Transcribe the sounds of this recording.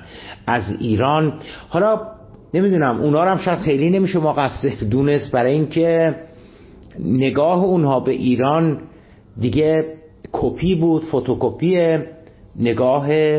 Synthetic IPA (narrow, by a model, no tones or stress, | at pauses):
æziːɾɒːnhɒːlɒː | ne̞mid̪uːnæmʔṵːnhɒːɾæmʃæd̪̥xe̞jliːne̞miːʃemoɣæsːeɾd̪une̞st̪̚bæɾɒːjiŋcʰe | eɡɒːɦeunhɒːbe̞ʔiːɾɒːn | d̪iɟe | kʰopʰiːbuːd̪̥fot̪ʰokopʰiːe | ne̞ɡɒːɦe